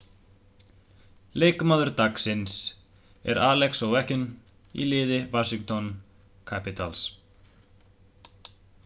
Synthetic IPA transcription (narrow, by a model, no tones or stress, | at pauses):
leːjkʏmaːðʏɾt̪aksɪns | ɛ̰ɾaːlɛksɔɣwɛhcɪn | ḭlɪːðɪvaːsiŋkt̪ɔn | kʰapɪt̪als